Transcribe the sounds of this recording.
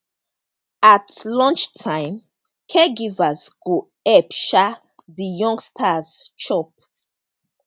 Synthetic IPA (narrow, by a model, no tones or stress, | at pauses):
atlɔ̃nt͡ʃtʰãɪ̃m | kʰɛɡivasɡ̥o | ɛpʃa | dijɔ̃ŋɡstʰazt͡ʃɔp̚